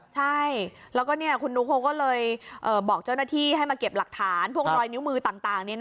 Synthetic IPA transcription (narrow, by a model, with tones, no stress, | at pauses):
t͡ɕʰa˥˩jlɛː˦˥wkɔː˥˩ni˥˩ɐkʰu˧nːuː˦˥kʰo˧˥kɔː˥˩lɤː˧jʔɤː˨˩bɔː˨˩k̚t͡ɕa˥˩wnaː˥˩t̪ʰiː˥˩ha˥˩jmaː˧ke˨˩p̚la˨˩k̚t̪ʰaː˩˦npʰu˥˩əkɾɔː˧jni˦˥wmɯː˧t̪aː˨˩ŋt̪aː˨˩ŋni˥˩ɐn